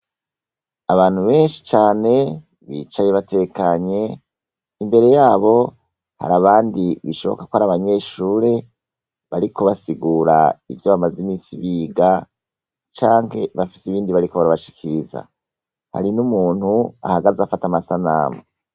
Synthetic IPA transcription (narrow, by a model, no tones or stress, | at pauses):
aβaːn̥huβe̞ːnʃi̥t͡ʃaːne̞ | βḭːt͡ʃajeβate̞kaɲe̞ | imbe̞ɾe̞jaːβo̞ | ha̰ɾaβaːndiβiʃo̞̰βo̰kḁkwohaɾaβaɲe̞ːʃuːɾe̞ | βaɾikʰo̞βasiɡuːɾa̰ivjo̞βamazimiːsiβiːɡa | t͡ʃaːŋhe̞βafi̥siβiːndiβaɾiko̞βaɾaβaʃi̥kʰiɾiza̰ | ha̰ɾinumuːn̥hua̰haɡazafatamasana̰ːmo